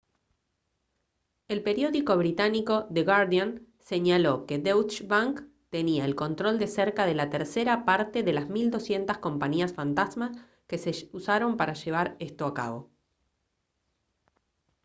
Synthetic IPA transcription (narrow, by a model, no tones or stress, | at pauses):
e̞lpe̞ɾjo̞ðiko̞βɾit̪aniko̞ðeɣaɾðjon | se̞ɲalo̞ke̞d̪ewt͡ʃbaŋk | t̪e̞niaelko̞nt̪ɾo̞ld̪e̞seɾkaðe̞lat̪eɾseɾapaɾt̪e̞ðe̞lazmild̪o̞sje̞nt̪asko̞mpaɲiasfant̪azmas | keseusaɾo̞mpaɾaʒe̞β̞aɾest̪oaka̰βo̞̰